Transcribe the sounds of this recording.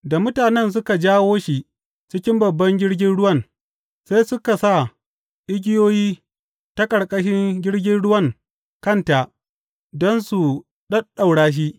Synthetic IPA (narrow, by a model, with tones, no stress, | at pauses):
da˨mʊ˦taː˨nɛ˦ns̬ʊ˦ka˨d͡ʒaː˦woː˦ʃi˨ | t͡ʃɪ˦kʲɪ˦mbɐ˨bːɐ˦ŋɡʲɪ˦ɽɡʲɪ˦nɽʊ˦wɐ˦˨n | sa˦jsʊ˦ka˨sa˦˨ | ʔɪ˦ɡʲɪ˦joː˦jiː˦ | ta˦kʼɐ˨ɽkʼɐ˦ʃɪ˦ŋɡʲɪ˦ɽɡʲɪ˦nɽʊ˦wɐ˦˨ŋ | kɐ˦˨nta˨ʔ | dɔ˦nsu˨ | ɗɐ˦ɗa˨wɽaː˦ʃ̬i˦ʔ